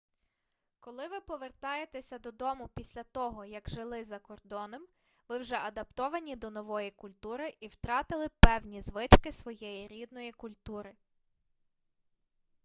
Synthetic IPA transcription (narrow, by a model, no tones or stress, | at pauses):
kɔlˠɪʋɪpɔʋert̪ɑjet̪esʲɐd̪ɔd̪ɔmʊpʲisʲlʲɐt̪ɔɦɔjɐɡʒɪlˠɪzɐkɔrd̪ɔnɔm | ʋɪwʒɛɐd̪ɐpt̪ɔʋɐnʲid̪ɔnɔʋɔjikʊlʲt̪uɾɪʔiwt̪ɾɑt̪ɪlˠɪpɛwnʲizʋɪt͡ʃkɪsʋɔjɛjiɾʲid̪nɔjikʊlʲt̪uɾɪ